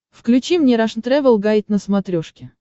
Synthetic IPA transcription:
fklʲʉt͡ɕimnʲeɾaʂnt̪ɾɛvəlˠɡajɪt̪ʲnəsmɐt̪ɾʲoʂkʲɪ

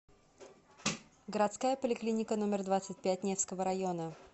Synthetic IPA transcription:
ɡəɾɐt̪skajəpəlʲɪklʲinʲɪkəno̞mʲɪrd̪vat̪sɨt̚ʲpʲæt̚ʲnʲefskəvəɾɐjo̞nə

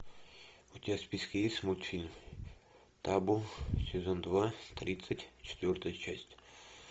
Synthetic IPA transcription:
ut̪ʲaspʲiskʲɪjisʲmulʲt̪fʲilʲm | t̪abusʲɪzond̪vat̪ɾʲit̪sətʲt͡ɕʰɪ̥t̪vʲort̪əjət͡ɕæsʲtʲ

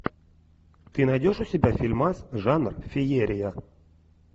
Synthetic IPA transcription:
t̪ɨnadʲoʂusʲebʲafʲilʲmasʐanrfʲejeɾʲɪja

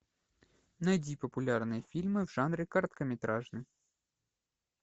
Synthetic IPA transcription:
nɐjdʲipəpʊlʲarnɨjəfʲilʲmɨvʐanɾʲɪkɐrt̪kəmʲɪt̪ɾaʐnɨj

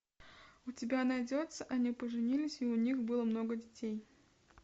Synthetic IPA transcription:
ʊtʲɪbʲanɐjdʲot̪səʔɐnʲipəʐɨnʲilʲɪsʲiʊnʲixbɨlˠəmno̞ɡədʲɪtʲej

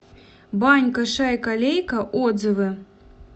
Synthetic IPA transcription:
banʲkɐʂajkalʲejkɐʔɔd̪zɨvɨ

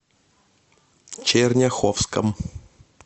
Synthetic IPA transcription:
t͡ʃernʲaxofskə̰m

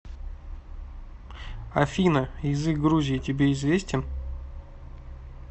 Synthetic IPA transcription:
ɐfʲinəjɪzɨk̚ɡɾuzʲɪɪtʲɪbʲeɪzvʲesʲtʲɪn

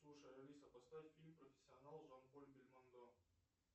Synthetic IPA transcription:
slˠuʂəjɐlʲisɐpɐst̪afʲilʲmpɾɔfʲɪ̥sʲːɪɐnalˠʐanpolʲbʲɪlʲmɐnd̪o

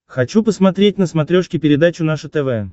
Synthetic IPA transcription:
xɐt͡ɕupəsmɐt̪ɾʲet̚ʲnəsmat̪ɾʲoʂkʲɪpʲɪɾʲɪd̪at͡ɕʊnaʂʊt̪ɛvɛ

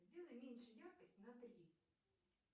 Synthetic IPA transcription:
zʲdʲilˠɪmʲinʃɛjarkɐsʲtʲnɐt̪ɐlʲi

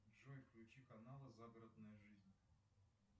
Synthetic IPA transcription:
ʐojfklʲʉt͡ɕikɐnalˠəzaɡəɾəd̪nəjəʐɨzʲnʲ

